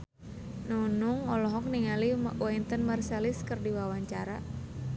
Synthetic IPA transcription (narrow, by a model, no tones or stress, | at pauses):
nunuŋɔlɔɦɔk̚niŋaliɔint̪ənmərsaliskɨrdiwawaɲt͡ʃaɾa